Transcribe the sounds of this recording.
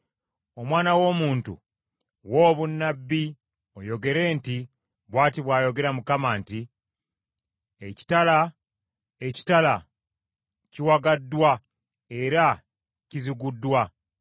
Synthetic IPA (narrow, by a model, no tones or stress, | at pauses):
o̞mwaːnawo̞ːmuːntṵ | wo̞ːβunːabːi | o̞jo̞ɡe̞ɾe̞ːnti | βwaːtiβwaːjo̞ɡe̞ɾamukamaːnti | eci̥tala | e̞ci̥tala | ciwaɡadːwa | e̞ɾa | ciziɡudːwa